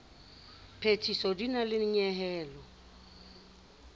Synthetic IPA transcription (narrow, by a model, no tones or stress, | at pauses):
pʰetʰisɔdinalɪɲɛɦɛːlɔ